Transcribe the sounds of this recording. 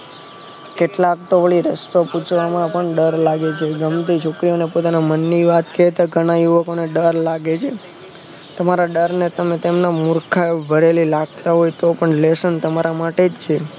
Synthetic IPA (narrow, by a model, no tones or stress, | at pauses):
keʈlak̚t̪oʋəɭiɾəst̪oput͡ʃʰʋamãpəɳɖəɾlaɡet͡ʃʰeɡəmt̪it͡ʃʰokɾijonepot̪anamənːiʋat̪ket̪oɡʱəɽ̃ajuʋəkoneɖəɾlaɡet͡ʃʰe | t̪əmaɾaɖəɾnet̪əmẽt̪emnamuɾkʰaebʱəɾelilaɡ̚t̪aɦojt̪opəɳlesənt̪əmaɾamaʈed͡ʒt͡ʃʰe